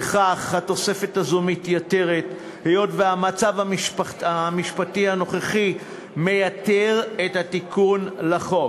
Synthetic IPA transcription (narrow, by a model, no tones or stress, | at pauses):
eχaχhat̪o̞se̞fe̞thazumitjate̞ʁet | hejo̞tveamat͡savaʃpamiʃpatihano̞χeχi | me̞jateʁethatikʰunlaχo̞